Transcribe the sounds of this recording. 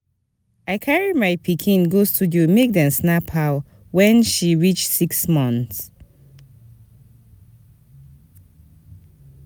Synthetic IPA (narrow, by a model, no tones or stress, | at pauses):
aɪkʰaɹimaɪpʰikʰĩnɡostʰudumek̚dɛ̃nsnapʰal | wɛ̃nʃiɹit͡ʃsiksmɔ̃nθs